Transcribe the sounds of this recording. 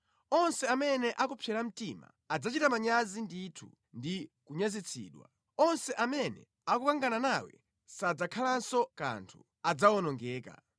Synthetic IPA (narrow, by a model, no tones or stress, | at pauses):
ɔnsɛamɛnɛʔakupʰjɛlam̩tima̰ | ad͡zat͡ʃitamaɲazinditʰu | ndikuɲazit͡sʰḭːɗwa̰ | ɔnsɛʔamɛnɛ̰ | akukaŋɡananawɛ̰ | sad͡zakʰalansɔka̰ntʰu | ad͡zawɔnɔŋɡɛːka̰